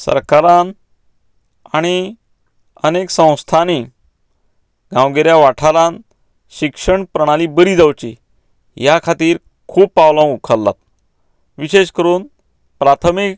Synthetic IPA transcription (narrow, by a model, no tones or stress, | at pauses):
sə̰ɾkaɾan | aɽ̃i | əneksə̃w̃st̪ʰani | ɡãwɡeɾjaʋaʈʰaɾãn | ɕikʂəɳpɾəɽ̃alibəɾiːd͡zawt͡ɕi | jakʰat̪iːɾ | kʰuːpːawlãukʰəlːa̰t̪̚ | ʋiɕeɕkəɾuːn | pɾat̪ʰəmik